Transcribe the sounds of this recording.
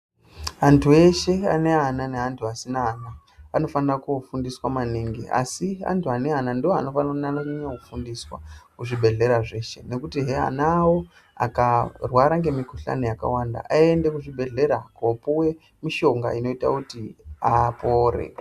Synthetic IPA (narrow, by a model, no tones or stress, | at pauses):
ɦantʰue̞ʃe̞a̰ne̞ananeɦantʰuasinaːna | ano̞fanrakufundiswamaniŋɡḭa̰siɦa̰ntʰuane̞ɦanandiwoano̞fanrnanaɲakufundiswa̰kuʐibʱe̞ɮe̞ɾaʐe̞ʃe̞ne̞kutiɦea̰nawo̞ | a̰karwaɾaŋɡe̞mikuɬa̰nojaka̰wanda̰ʔaende̞kuʐibʱe̞ɮe̞ɾakopuwe̞ | miʃo̞ŋɡa̰ino̞ita̰kutiapoːrḛ